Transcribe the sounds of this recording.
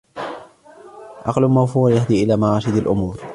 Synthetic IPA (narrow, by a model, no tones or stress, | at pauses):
ʔɑqlʊmawfuːɾjahd̪iːʔɪlaːmaʕɑːʃɪd̪alʔʊmuːɾ